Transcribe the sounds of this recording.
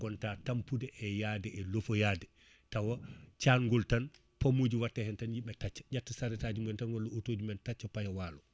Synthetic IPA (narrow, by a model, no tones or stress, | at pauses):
ɡɔntatampudɛʔɛjadɛʔɛlofɔjadɛ | tawat͡ʃanŋɡɔltan | pamod͡ʒiwatːahɛntanjiɓɛtat͡ʃːḁɟatːasaɾɛtad͡ʒumɛntanwalːɔotod͡ʒumɛntat͡ʃːapajawaːlɔ